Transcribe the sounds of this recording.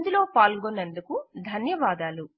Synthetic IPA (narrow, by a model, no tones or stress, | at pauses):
nd̪ilo̞ːpaːlɡonːend̪ukud̪ʱɐnjɐʋaːd̪aːlu